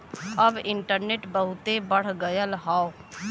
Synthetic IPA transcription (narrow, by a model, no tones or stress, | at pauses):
əbɪɳʈəɾneːʈbəɦʊt̪ebəɽ̤ɡəjəlɦaːo